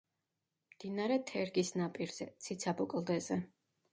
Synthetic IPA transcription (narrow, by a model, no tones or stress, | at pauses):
md̪̥inaɾɛt̪ʰɛɾɡisnapʼiɾz̥ɛ̰t̪sʰit̪sʰabɔkʼlˠd̪ɛzɛ